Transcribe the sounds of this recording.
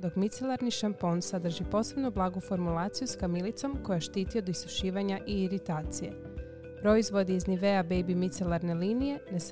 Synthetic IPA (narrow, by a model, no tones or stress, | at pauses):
d̪o̞kmit̪selˠaɾniʃampo̞nsad̪r̩ʒipo̞ːse̞bnoblˠaːɡufo̞ɾmulˠaːt̪sijuskamilit̪so̞mko̞jaʃt̪iːt̪iod̪ist̪uʃiːʋaɲaʔiːɾit̪aːt̪sijḛ | pɾo̞izʋo̞d̪iːzniʋe̞abejbimit̪selaɾne̞liːnije̞nes